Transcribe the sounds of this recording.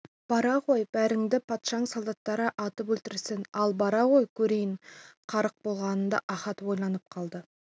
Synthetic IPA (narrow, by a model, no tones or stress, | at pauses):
b̥ɑɾɑʁo̞jb̥æɾɪŋd̪ɪpʰɑt̪ʃɑəɴsolˠd̪ɑt̪ːɑɾəʔɑt̪əpɵlt̪ɪɾsɪnɑlˠbɑɾɑʁo̞jkʲʰɵɾe̞jɪɴqʰɑɾəq̚bo̞lˠʁɑnənd̪ɑ̰ʔɑχɑt̪wo̞jlˠɑnəp̚qʰɑlˠd̪ə